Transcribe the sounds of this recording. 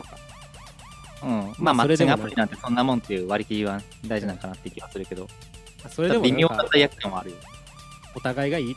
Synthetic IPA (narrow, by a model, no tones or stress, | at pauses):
ɯ̟̃maːmaet͡ɕiŋapɯ̟ɾʲinãnt̪esõ̞nːamõnt̪ːe̞jɯ̟ːβaɾʲikʲiβãn | d̪aiʑinãŋkanat̪ːe̞ikʲiβasɨɾɯ̟ke̞d̪o̞ | oɾed̪aimʲiotat̪ːajakɯ̟̥kãɰ̃βaːɾɯ̟jone | ot̪aɡaiɡai